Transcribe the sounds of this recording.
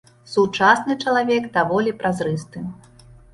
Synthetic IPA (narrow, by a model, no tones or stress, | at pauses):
sut͡ʂasnɨt͡ʂɐlˠavʲɛɡd̪avɔlʲipɾʔazɾɨst̪ɨ